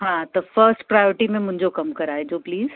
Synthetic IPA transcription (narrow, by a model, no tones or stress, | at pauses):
ɦãt̪ɐfəɾsʈpɾaːjoːɾʈimẽmʊ̃ɦɪ̃ɲd͡ʑokɐmkɐɾaːɦed͡ʑoːpliːz̥